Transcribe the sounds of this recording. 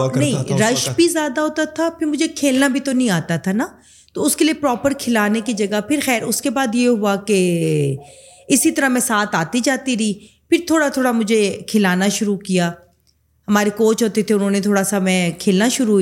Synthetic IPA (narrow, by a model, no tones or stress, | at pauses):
nɐɦĩɾɐʃbʱizjaːd̪aɦoːt̪at̪ʰapʰɪɾmʊd͡ʒʱekʰeːlnabʱit̪onɐɦĩaːt̪at̪ʰana | t̪oːʊskeliepɾɔːpəɾkʰɪlaːnekid͡ʒɐɡapʰɪɾxɛːɾʊskebaːd̪jeɦʊake | ɪsit̪ɐɾamɛ̃ːsaːt̪aːt̪id͡ʒaːt̪iɾiː | pʰɪɾt̪ʰoːɽat̪ʰoːɽamʊd͡ʒʱekʰɪlaːnaʃʊɾukijaː | hɐmaːɾekoːt͡ʃɦoːt̪et̪ʰeʊnɦõːnet̪ʰoːɽasamɛ̃ːkʰeːlnaʃʊɾu